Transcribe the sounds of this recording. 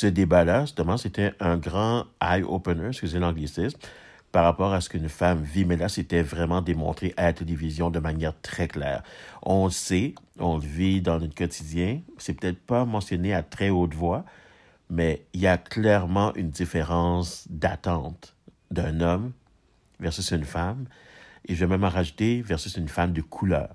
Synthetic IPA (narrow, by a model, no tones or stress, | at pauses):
səd̪ebalḁst̪əmɑ̃set̪ɛʔɛ̃ɡʁɑ̃ajo̰pənøskʲyzelɑ̃ɡlisɪsm | paʁapɔːʁasə̥kynfamvimɛlaset̪ɛvʁɛmɑ̃d̪emɔ̰̃t̪χeʔalat̪elevizjɔ̃d̪əmanjɛːʁt̪χɛklɛ̰ːʁɔ̃ləseɔ̃ləvid̪ɑ̃nɔt̪kɔt̪ʰid̪jɛ̃sɛpø̥t̪ɛt̪χpamɑ̃sjɔneat̪χɛot̪vwa | mɛiljaklɛʁmɑ̃ʔynd̪ifeʁɑ̃sd̪at̪ɑ̃ːt̪ | d̪ɛ̃nɔm | vɛʁsysynfam | eʒɛmɛ̃mɑʁaʒut̪evɛʁsysynfamd̪əkʰulœ̰ːʁ